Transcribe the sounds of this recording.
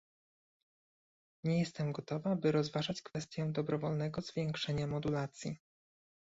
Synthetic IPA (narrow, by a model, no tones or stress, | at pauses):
ɲɛjɛst̪ɛmɡɔt̪ɔvabɘɾɔzvaʐat͡ɕkfɛst̪ʲjɔw̃d̪ɔbɾɔvɔlnɛɡɔzvʲjɛŋkʂɛɲamɔd̪ulat̪sʲji